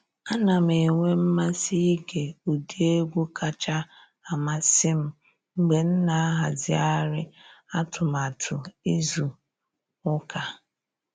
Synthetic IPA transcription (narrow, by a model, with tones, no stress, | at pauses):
a˦na˨m˨e˨ŋʷe˦m̩˦ma˦si˦ɡe˨u˨di˦e˦ɡʷu˦kʰa˦t͡ʃa˦ | a˨ma˦sɪ˦m̩˦ | ŋ͡m̩˨ɡ͡be˨n̩˦na˨a˦ɦa˨zɪ˨˦a˦ɾɪ˦a˦tʊ˨m˨a˨tʰʊ˨i˦zu˨ | ʊ˦ka˨